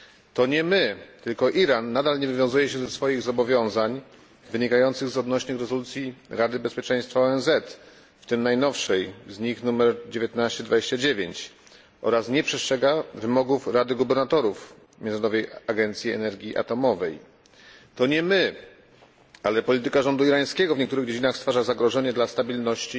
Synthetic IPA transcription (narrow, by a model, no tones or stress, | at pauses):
t̪ɔɲɛmɘt̪ɘlkɔʔiɾanːad̪alɲɛvɘvjɔ̃zujɛɕɛzɛsfɔjiɣzɔbɔvʲjɔ̃w̃zaɲ | vɘɲikajɔnt̪sɘɣzɔd̪nɔɕnɘxɾɛzɔlut̪sʲjiɾad̪ɘbɛspʲjɛt͡ʂɛ̃j̃st̪faɔɛnzɛt̪ | ft̪ɘmnajnɔfʂɛjzɲixnumɛɾd͡ʑevjet̪naɕt͡ɕɛd̪vad͡ʑeɕt͡ɕad͡ʑevʲjeɲt͡ɕ | ʔɔ̰ɾasɲɛpʂɛstʂɛɡavɘmɔɡufɾad̪ɘɡubɛɾnat̪ɔɾuf | mʲɛnɾɔd̪ɔvɛjaɡɛnt̪sʲjiɛ̰nɛɾɡʲiʔa̰t̪ɔmɔvɛj | t̪ɔɲɛmɘ | alɛpɔlʲit̪ɘkaʐɔnd̪uiɾaj̃skʲɛɡɔvɲɛkt̪uɾɘɣd͡ʑed͡ʑinaxst̪faʐazaɡɾɔʐɛɲɛd̪last̪abʲilnɔɕt͡ɕi